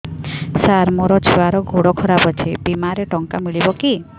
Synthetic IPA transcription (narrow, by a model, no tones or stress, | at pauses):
saɾmoɾɔt͡ʃʰewaɾɔɡʱoɽɔkʰɔɾabɔt͡ʃʰebimaɾeʈɔŋkamiɭibɔki